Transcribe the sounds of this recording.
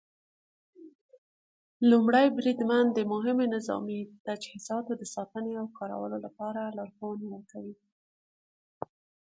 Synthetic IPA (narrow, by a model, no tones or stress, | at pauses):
lumɽajbɾid̪mand̪əmʊɦɪmenɪzɑ̰mit̪ad͡ʒhizɑt̪od̪əsɑt̪əneawkʰɑɾa̰wə̰lolapɑɾalɑɾxonwəɾkawi